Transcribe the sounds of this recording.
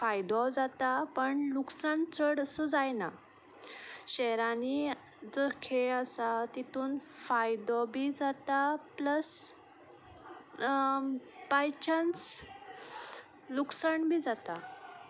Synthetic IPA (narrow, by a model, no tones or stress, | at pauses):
fajd̪ɔd͡zat̪apəɳluksaɳt͡səɽəsɔd͡zajna | ɕɛɾani | d͡zəkʰeəsat̪it̪uːnfajd̪ɔbiːd͡zat̪apləs | pajt͡ɕənt͡s | luksəɳbʱiːd͡zat̪a